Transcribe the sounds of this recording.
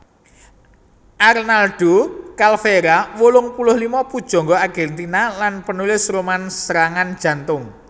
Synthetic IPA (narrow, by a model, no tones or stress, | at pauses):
ʔarnalɖ̥okalfeɾawolʊŋpulʊhlimɔpud̥ʒ̥ɔ̤ŋɡɔaɡ̥ɛ̤nt̪inalanpənulɪsromansəɾaŋand̥ʒ̥ä̤nt̪ʊŋ